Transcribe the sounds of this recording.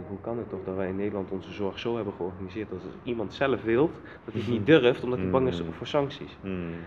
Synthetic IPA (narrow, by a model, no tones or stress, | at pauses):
ukɑnətɔχdɑtʋɛjɪnːejdəlɑntɔnzəzɔɹχzowɦɛbənχəɔɹχanizɪːɹt̚dɑtimɑntsɛləfʋɪlˠ | d̥ɑtiətnit̚dørftɔmdɑtibɑŋɪsfoːɹsɑŋksis